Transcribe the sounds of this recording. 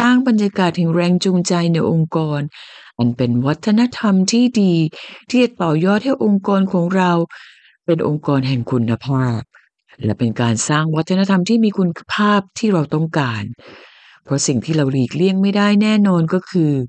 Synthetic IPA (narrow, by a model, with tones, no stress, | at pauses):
saː˥˩ŋba˧nja˧kaː˨˩t̪̚hɛ˨˩ŋɾɛː˧ŋt͡ɕu˧ŋt͡ɕa˧jna˧jʔo˧ŋkɔː˧nʔa˧npe˧nwa˦˥t̪ʰːa˧na˦˥t̪ʰa˧mt̪ʰiː˥˩diː˧t̪ʰiː˥˩t͡ɕa˨˩t̪ɔː˨˩jɔː˥˩t̪̚hɛ˥˩jʔo˧ŋkɔː˧nkʰɔː˩˦ŋɾa˧w | pe˧nʔo˧ŋkɔː˧nɦɛ˨˩ŋkʰu˧nːa˧pʰaː˥˩p̚ | lɛ˦˥pe˧nkaː˧nsaː˥˩ŋwa˦˥t̪ʰːa˧na˦˥t̪ʰa˧mt̪ʰiː˥˩miː˧kʰu˧n˧pʰaː˥˩p̚t̪ʰiː˥˩ɾa˧wt̪ɔ˥˩ŋkaː˧n | pʰɾɔ˦˥si˨˩ŋt̪ʰiː˥˩ɾa˧wliː˨˩k̚li˥˩əŋma˥˩jda˥˩jnɛː˥˩nɔː˧nkɔː˥˩kʰɯː˧